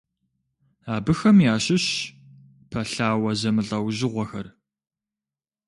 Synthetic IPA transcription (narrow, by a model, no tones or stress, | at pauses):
aːbɨxɐmjaːɕɪɕ | pʰɐɬaːwɐzɐmɨɬʼɐwʑɪʁʷɐxɐr